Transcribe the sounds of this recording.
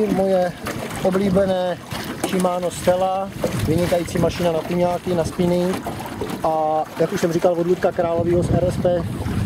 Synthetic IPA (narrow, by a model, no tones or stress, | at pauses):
mojɛʔobliːbɛnɛːʃɪmaːno̞sfɛlavɪɲɪkajiːt͡siːmaʃɪnanakuɲaːkɪnaspɪnɪ | ʔajakuʃsɛmrikalvodlut̪̚kakɾaːlo̞viːɦosɛɾɛspɛ